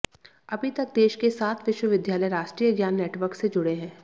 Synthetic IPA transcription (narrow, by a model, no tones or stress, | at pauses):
ɐbʱit̪ɐk̚d̪eːʃkesaːt̪ʰʋɪʃwəʋɪd̪jaːləjɾaːʃʈɾiːəɡjaːnːeːʈʋəɾksed͡ʒʊɽeɦɛ̃ː